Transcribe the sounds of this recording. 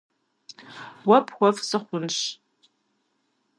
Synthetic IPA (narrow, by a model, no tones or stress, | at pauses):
wɐpʰχʷɔfsɨχʷʊnɕ